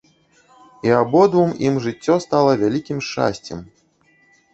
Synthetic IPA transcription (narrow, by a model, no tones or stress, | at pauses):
iabɔd̪vumimʐɨt͡sʲːɔst̪alˠɐvʲalʲikʲimʂt͡ʂa̰sʲt͡sʲɛm